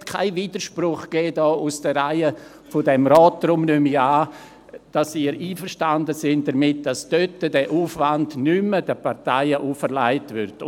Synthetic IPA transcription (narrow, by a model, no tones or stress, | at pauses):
tkʰa̰ɪviːdəɾʃprʊχɡ̥eːdɔːʔusd̥əɾaɪə | fodɛmɾɔːtːɾʊmnymiaː | d̥asiːɾiːfəɾʃtandəsɪntdɐmɪt̚d̥asd̥øtːədɛʔuːfvandnyməd̥əpaʁtaɪəʔuːfəɾlaɪtvʏɾd